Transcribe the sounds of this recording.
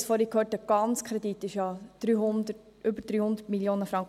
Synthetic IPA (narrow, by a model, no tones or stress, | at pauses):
sfɔːɾikhøːtəɡ̥ɑnt͡skʰɾɛd̪itːɪʃjɑd̥ɾyːhʊnd̪ət | ʔʏbəɾd̥ɾyːhʊnd̪ətmiljoːnəfɾɑŋk